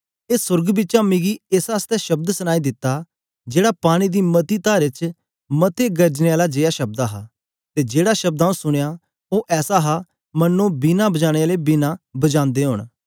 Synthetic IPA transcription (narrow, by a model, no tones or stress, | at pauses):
eːsʊɾɡbɪːt͡ʃãːmɪɡiːesaːst̪ɛːʃəb̚d̪səñaːid̪ɪt̪ːaː | d͡ʒeːɽaːpaːɽ̃iːd̪iːmət̪iːt̪aːɾɪt͡ʃ | mət̪eːɡəɾd͡ʒneːaːlaːd͡ʒejaːʃəb̚d̪aːɦaː | t̪eːd͡ʒeːɽaːʃəb̚d̪aːõsʊɽ̃ejaː | oːʔɛːsaːɦaː | mənːõːbinãːbəd͡ʒaːɽ̃eaːleːbinãːbəd͡ʒãːnd̪eːɦʊ̰ɳ̃